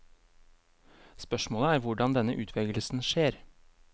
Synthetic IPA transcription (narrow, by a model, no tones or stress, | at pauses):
spœʃmoːləæːɾʋʊɖɑnd̪ɛnəʔʉːt̪ʰʋɛɡl̩sn̩ʃeːɾ